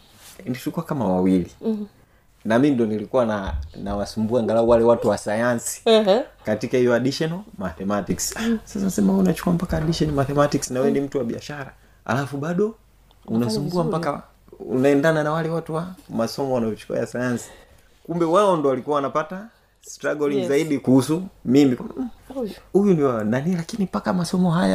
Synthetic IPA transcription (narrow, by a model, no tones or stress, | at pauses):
niʃukuakamawawili | namindiɔnilikuwananawasumbuaŋɡalauwalɛwatuwasajansi̥katikahijɔaɗiʃɔnɔmaθɛmatiksasasanasɛmaɔunat͡ʃu̥kuam̩pakaːɗiʃɔnmaθɛmatiksnawɛndim̩tuwaɓia̰ʃaɾa | a̰lafuɓaɗɔ | unasumbuam̩paka | ṵnaɛndananawalɛwatuwamasɔmɔwanajɔt͡ʃu̥kua̰jasajansi̥ | kumbɛwaɔndɔwalikuawanapata | sstɾaɡɔliŋzaiɗikuhusumimika | hujuniwananilakinipakamasɔmɔɦaja